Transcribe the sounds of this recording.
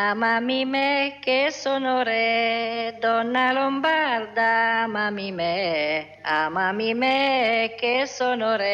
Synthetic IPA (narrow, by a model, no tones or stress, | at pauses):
amamimekesonoɾe | d̪ɔnalɔmbaɾd̪amamime | amamimekesɔnoɾe